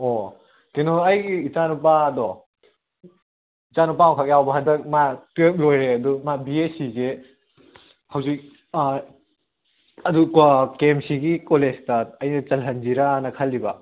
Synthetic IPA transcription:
o | kenɔɐjɡiːt͡ʃanupadɔ | it͡ʃanupakʰak̚jawbɐɦɐndɐk̚matep̚lojɾeɐdumabiesiɡe | hɐwzik̚ | ɐdukakemsiɡikolestɐːjnɐt͡ʃɐlɦɐnd͡ʒiɾanɐkʰɐlːibɐ

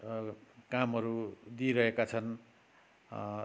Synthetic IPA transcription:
kamɦʌɾud̪iɾʌɦekat͡sʰʌn

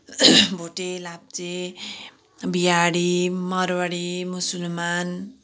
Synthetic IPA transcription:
bʱoʈelap̚t͡se | bijaɽimʌɾwʌɽimusulman

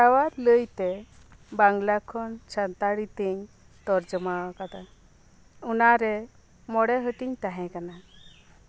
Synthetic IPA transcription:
awad̪ləjt̪ɛ | baŋlakʰɔnt͡ʃʰant̪aɽit̪iɲ | t̪ɔɾd͡ʒɔmakat̪a | unaɾɛ | mɔɽɛɦəʈiɲt̪aɦɛ̃kana

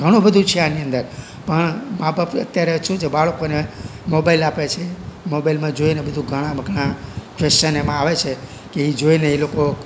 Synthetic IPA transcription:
ɡʱəɽ̃õbəd̪ʱũt͡ʃʰeaniə̃nd̪əɾ | pəɳmabʱəbə̰t̪ːjaɾeʃũt͡ʃʰebaɭkonemobailapet͡ʃʰemobailmãd͡ʒoinebəd̪ʱũɡʱəɽ̃ãbʱəɡɽãkʋest͡ʃənemãaʋet͡ʃʰe | keid͡ʒoineiloko

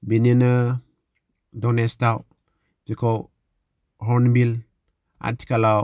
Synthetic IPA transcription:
bininə | dɔnestaw | d͡ʒiko | ɦɔnbil | a̰ti̥kala

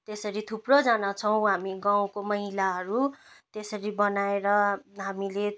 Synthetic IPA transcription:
t̪esʌɾit̪ʰuprod͡zanat͡sʰʌw̃ɦamiɡaw̃komʌɦilaɦʌɾut̪esʌɾibʌnaeɾʌɦamile

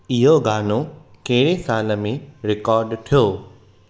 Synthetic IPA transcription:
ɪɦoɡaːno | kɐɦɪɾesaːlə̆mẽɾɪkɔːɾɖʈ̪ʰijoː

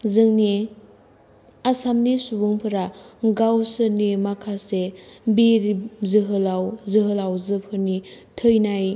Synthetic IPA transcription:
zɯŋni | asamnisubuŋpʰɯɾaɡawsɯnimakʰasebiɾizɯɦɯlawzɯɦɯlawzɯpʰɯɾnitʰəjnaj

